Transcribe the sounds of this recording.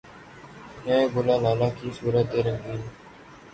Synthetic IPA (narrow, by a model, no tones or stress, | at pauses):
nẽːɡʊlãːlaːlaːkʰiːsuːɾət̪̚d̪eːɾə̃ŋɡiː